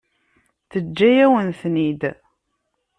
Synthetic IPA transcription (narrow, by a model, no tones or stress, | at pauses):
θəd͡ʒːæjæwənθnid̪